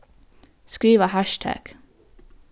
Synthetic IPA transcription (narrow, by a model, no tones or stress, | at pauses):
skɹiːʋəhæʃtʰæ̰ːɡ̥